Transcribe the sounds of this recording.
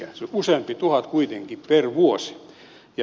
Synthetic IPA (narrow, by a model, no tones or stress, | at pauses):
æseusempit̪uhɑt̪kuit̪eŋkipperʋuosi̥ | jɑ